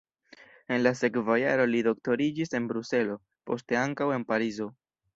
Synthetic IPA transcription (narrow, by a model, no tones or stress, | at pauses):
e̞nlas̬e̞kvajaɾo̞lido̞k̚to̞ɾid͡ʒise̞nbɾuse̞lo̞ | po̞ste̞aŋkawe̞npaɾizo̞